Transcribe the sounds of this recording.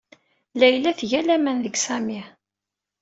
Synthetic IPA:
læjlæθʝælæmænðəɡsæmi

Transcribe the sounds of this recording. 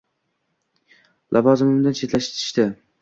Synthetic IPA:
lʔavɒzɪmɪmd̪ant͡ʃʰe̞t̪laʃt̪ʰɪ̥ʃt̪ɪ

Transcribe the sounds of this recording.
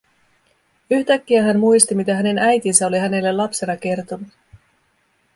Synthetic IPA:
yçt̪ækːiæɦænmujst̪imit̪æɦæne̞næjt̪insæoliɦæne̞lːe̞lɑpse̞nɑke̞rt̪o̞nut̪

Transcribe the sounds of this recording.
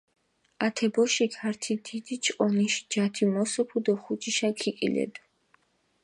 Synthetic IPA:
at̪ʰɛbɔʃikʰaɾt̪ʰid̪id̪it͡ʃʼqʼɔniʃd͡ʒat̪ʰimɔsɔpʰud̪ɔχut͡ʃʼiʃakʰikʼḭlɛ̰d̪u

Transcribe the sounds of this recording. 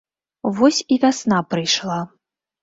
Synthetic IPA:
vɔsʲivʲasn̪apɾɨjʂlˠa

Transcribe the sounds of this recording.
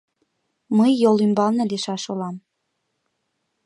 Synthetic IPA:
məjːolymbɑlnɤ̆leʃɑʃolɑm

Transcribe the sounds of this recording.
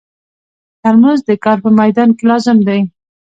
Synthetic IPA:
t̪almazd̪əkɑɾpəmajd̪ɑnkelɑzɪmd̪aj

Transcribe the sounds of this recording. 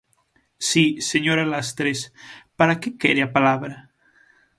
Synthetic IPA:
siseɲoɾalast̪ɾespaɾakekeɾeapalaβɾa

